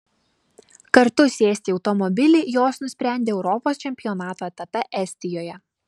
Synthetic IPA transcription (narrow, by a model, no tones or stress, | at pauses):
kɐɾt̪ʊsʲeːsʲt̪ʲiːɒʊt̪ɔmɔbʲɪlʲɪːjoːsnʊsʲpʲɾʲæˑnʲd̪ʲeːɛʊɾɔpoːst͡ʃʲɛmʲpʲɪjɔnɑːt̪oːɛt̪ɐpɛʔɛsʲt̪ʲɪjoːjɛ